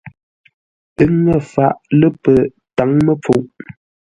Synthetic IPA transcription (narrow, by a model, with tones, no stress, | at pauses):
ə˦ŋə˨fa˨ʔlə˦pə˨ | ta˨˦ŋmə˦p͡fu˦˨ʔ